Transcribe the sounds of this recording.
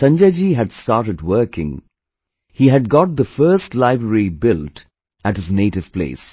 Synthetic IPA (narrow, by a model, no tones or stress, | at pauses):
sʌ̃nd͡ʒed͡ʒiɨdstɑɹɾɨdwɜ˞kɪ̰̃ŋ | hiɨd̚ɡɔt̪̚d̪əfɜ˞stlaɪbɹəɹibɪlt | ɨthɨzneɪɾɨv̥pʰlḛɪs